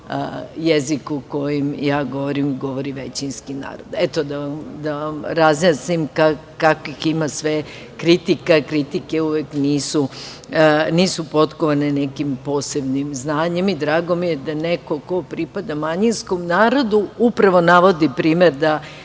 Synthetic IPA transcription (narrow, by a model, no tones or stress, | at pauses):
jezikuko̞jimjaːɡo̞ʋoɾimɡo̞ʋo̞ɾiʋet͡ɕinskina̰ːɾod̪et̪od̪aʋamd̪aʋamɾazmjasnimka | kakoiximasʋe | kɾit̪ikakɾit̪ikeuʋekniːsu | niːsupo̞t̪koʋanenekimpoːsebnimznaːɲe̞mid̪ɾaːɡo̞mijed̪aneko̞ko̞pɾipad̪amaɲinsko̞mnaːɾo̞d̪uupɾaʋo̞naʋo̞d̪ipɾiːmeɾd̪a